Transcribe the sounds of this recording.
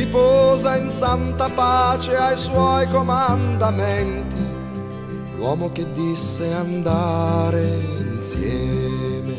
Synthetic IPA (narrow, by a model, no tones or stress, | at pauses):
ipɔːzainsant̪apaːt͡ʃeajswɔjkomand̪amɛnt̪i | lwɔːmok̟ed̪ːisːeand̪aɾeinsjɛːme